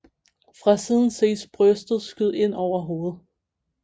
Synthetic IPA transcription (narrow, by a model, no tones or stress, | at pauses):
fʁɑ̈siːð̞ˠn̩se̝̰ːsb̥ʁœsd̥ð̩ˠsɡ̥yð̰ˠe̝n̰ɒʊ̰ɐɦo̝ːð̩ˠ